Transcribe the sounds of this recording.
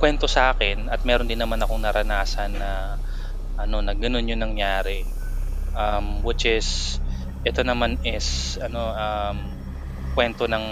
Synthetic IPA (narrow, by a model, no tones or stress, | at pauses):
kwɛnt̪o̞sɐʔaːkɛnɐt̪̚mɛːɾod̪ɪnːɐmanɐko̞ŋnɐɾɐnaːsɐnːɐ | ʔɐno̞nɐɡɐno̞njonɐŋjaːɾɛ | ʔɐmwɪt͡ʃɛs | ʔɛt̪o̞nɐmanɛsʔɐno̞ʔɐm | kwɛnt̪o̞nɐŋ